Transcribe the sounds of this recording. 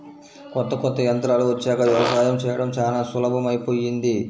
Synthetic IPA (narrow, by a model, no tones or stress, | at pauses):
kɔnt̪ːɐkɔnt̪ːɐjɐnt̪ɾaːluʋɐt͡ʃːɛːkɐʋjɐʋɐsaːjɐmt͡ʃɛːjɐɽɐmt͡ʃaːlaːsʋulɐbʱɐmɐjpo̞ːjind̪i